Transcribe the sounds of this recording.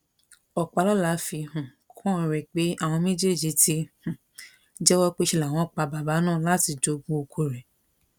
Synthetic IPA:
ɔ˨k͡pa˨˧lɔ˦la˨˦fi˧ɦũ˨ | kʰɔ̃˦˨˧ɾɛ˨k͡pe˨˦a˦˨w̃ɔ̃˧mẽ˦d͡ʒe˦˨d͡ʒi˧ti˦h̩˨ | d͡ʒɛ˦wɔ˦k͡pe˦ʃi˧la˨w̃ɔ̃˧˦˨k͡pa˧ba˨ba˨˦nãː˦˨la˦ti˧d͡ʒo˧˦ɡ͡bõ˧o˧kʰo˧ɾɛ˨

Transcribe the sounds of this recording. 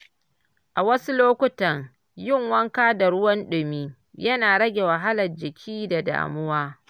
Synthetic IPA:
ʔa˨wɐ˦su˦loː˦kʷʊ˦tɐ˨ŋ | jɪ˦˨ŋwɐ˦ŋkaː˦da˨ɽʊ˦wɐ˦nɗʊ˨miː˦ | jɐ˦naː˨ɽɐ˦ɡʲe˨wɐ˨ɦa˦lɐ˨rd͡ʒɪ˨kʲʰiː˦da˨da̰ː˨mʊ˦waː˦

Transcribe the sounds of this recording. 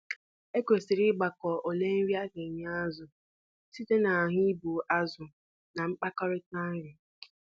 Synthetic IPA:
e˦kʷe˨si˨ɾɪ˦ɡ͡ba˨kɔ˨ʔo˨le˦n̩˦ɾi˦a˦ɡe˨ɲ˦a˦zʊ˨ | si˦te˦na˨ɦʊ˦i˦bu˨ʔa˦zʊ˨ | na˨ŋ͡m̩˦k͡pa˦kɔ˦ɾɪ˦ta˦n̩˦ɾɪ˨

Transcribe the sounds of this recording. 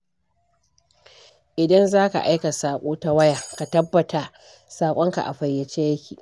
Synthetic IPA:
ʔɪ˨dɐ˦nzaː˦ka̰˨ʔa˦jka˨saː˨kʷʼoː˦ta˦wɐ˦jaː˨ka˨tɐ˦bːɐ˨ta˨ | saː˨kʷʼɔ˦ŋka̰˨ʔa̰˨ɸɐ˨jːɐ˨t͡ʃeː˦jɐ˦kʲiː˨

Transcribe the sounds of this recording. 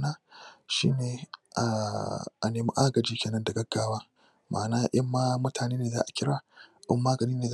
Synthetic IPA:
naː˦ʃḭː˦neː˨ʔa˨ʔa̰˨neː˨mḭ˦ʔa˦ɡɐ˨d͡ʒiː˦kʲeː˨nɐ˦ndɐ˨ɡɐ˦ɡːaː˦waː˦ | maː˨naː˦ʔɐ˦mːaː˦mʊ˦tʰaː˨neː˦neː˨za̰ː˦ʔa˨kʲɪ˦ɽaː˨ʔɪ̰˦mːaː˦ɡɐ˨niː˦neː˨z

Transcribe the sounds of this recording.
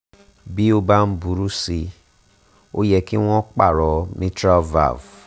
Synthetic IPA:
bi˦o˧ba˦n̩˦bu˨˦ɾu˦si˧ | o˦jɛ˧ki˦w̃ɔ̃˦k͡pa˦˨ɾɔ˨nĩ˦tɾa˦va̰˦˨v

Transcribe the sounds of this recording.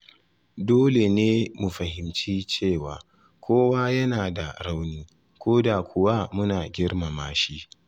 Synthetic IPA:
doː˦le˨neː˦mu˨ɸɐ˨ɦɪ˨mt͡ʃiː˦t͡ʃeː˦˨waː˨ | kʷʰoː˦wa˦jɐ˦naː˨da̰˨ɽa˦wniː˦ | kʷoː˦da˨kʷʰʊ˨wa˦mʊ˦naː˨ɡʲɪ˦ɽma˨maː˦ʃi˦

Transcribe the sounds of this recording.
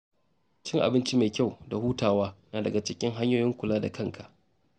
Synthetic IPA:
t͡ʃɪ˦ŋʔa̰˨bɪ˦nt͡ʃi˦meː˨kʲa˦˨wda˨huː˦taː˨waː˦naː˨dɐ˨ɡa˨t͡ʃɪ˦kʲɪ˦ŋɦa˦ɲjoː˦˨jɪ˦ŋkʷʊ˨laː˦da̰˨kɐ˦ŋkʰa˨ʔ

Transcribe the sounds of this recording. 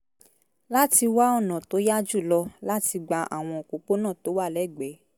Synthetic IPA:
la˦ti˧wa˦ɔ˦˨nã˨to˨˦ja˦d͡ʒu˦˨lɔ˧la˦ti˧ɡ͡ba˧ʔa̰˨w̃ɔ̃˧o˨ko˨k͡po˦nã˦˨to˨˦wa˦˨lɛ˦˨ɡ͡bɛ˨˦

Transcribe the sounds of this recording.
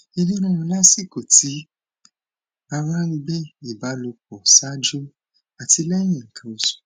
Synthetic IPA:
e˧nĩ˦ɾã˧˦˧la˦si˦˨ko˨ti˨˦ | a˧ɾã˦i˧ɡ͡bɛ˦i˨ba˨˦lo˧kɔ˨sa˦d͡ʒu˦ | a˨ti˧lɛ˦j̃ĩ˨ŋ̩˨kʰã˧o˨su̥˨

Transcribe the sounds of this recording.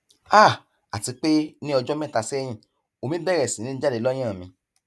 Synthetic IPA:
a˦˨ | a˨ti˧k͡pe˦nĩ˦ɔ˧d͡ʒɔ˦mɛ̃˦˨ta˧sɛ˦j̃ĩ˦˨ | o˧mĩ˦bɛ˦ɾɛ˨sĩ˨nĩ˦d͡ʒa˦le˨˧˦lɔ˦j̃ã˦˨mĩ˧

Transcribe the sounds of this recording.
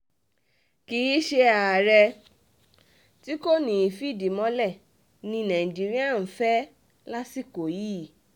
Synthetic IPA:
ki˧ji˦ʃe˧a˨ɾɛ˧ | ti˦ko˦˨nĩ˨i˨fi˦˨di˨mɔ̃˧˦lɛ˦˨ | nĩ˧nɛ̃˨d͡ʒi˨ɾĩ˦a˦˨n̩˨fɛ˦ | la˦si˦˨ko˨ji˦˨

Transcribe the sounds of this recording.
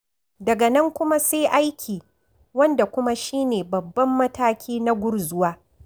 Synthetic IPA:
dɐ˨ɡa˨nɐ˦ŋkʷʊ˦ma˦seː˦ʔa˦jkʲʰiː˨ | wɐ˦nda˨kʷʊ˦ma˦ʃiː˦neː˨bɐ˨bːɐ˦mːɐ˦taː˦kʲiː˦na˦ɡʷʊ˦ɽzʊ˦waː˦

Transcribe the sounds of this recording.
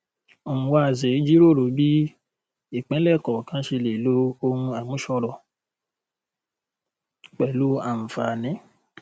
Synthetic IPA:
o˨ũ˨˦wa˧˨ze˨˦d͡ʒi˦ɾo˦˨ɾo˨˦bi˦ | i˦˨k͡pɛ̃˨˦lɛ˦˨kɔ˨kã˦ʃe˧le˨lo˦o˧hũ˧a˨wũ˨˦ʃɔ˧ɾɔ˨ | k͡pɛ˨lu˨˦a˦˨m̩˨fa˨nĩ˨˦

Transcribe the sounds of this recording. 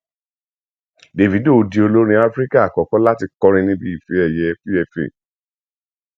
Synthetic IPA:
de˨vi˨˦do˦˨o˧di˧o˧lo˦ɾ̃ĩ˧˦a˦fɾi˦ka˦a˨kɔ˨˦kɔ̃˨˦la˦ti˧kɔ˦ɾ̃ĩ˧nĩ˧bi˦i˦˨fe˨˦ɛ˦˨jɛ˧˦fi˦ɛ˧fḛ˨

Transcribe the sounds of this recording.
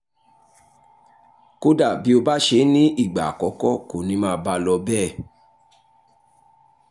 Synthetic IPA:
ko˦da˦˨bi˨˦o˧ba˦ʃe˧˦nĩ˦ʔi˦˨ɡ͡ba˨kɔ˨˦kɔ˦ko˨nĩ˨˦mãː˦˨ba˧˦lɔ˧bɛ˦˨

